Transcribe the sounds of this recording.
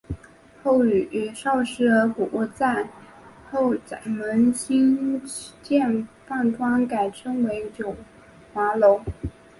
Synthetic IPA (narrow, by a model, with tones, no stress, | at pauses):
xo˥˩ʊy˨˩y˧˨˥ʂɑ˥˩ʊʂɻ̩˥ə˧˥ku˨˩u˥˧t͡sa˥˩ɪ | xo˥˩ʊ˩mə˧˥nɕi˥n | t͡ɕjɛ˥˧nfa˥˩nt̪ʰwɑ˥nka˨˩ɪʈ͡ʂʰɤ˥ŋwe˧˥ɪt͡ɕjo˨˩ʊ | xwa˧˥lo˧˥ʊ